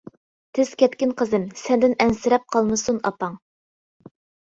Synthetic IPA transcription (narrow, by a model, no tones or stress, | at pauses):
t̪ʰɪz̥kʲʰɛt̪kʲɪnqʰəzɨmsɛnd̪ɪnɛnsɪɾɛp̚qʰɑlˠmɨsunɑ̰pɑŋ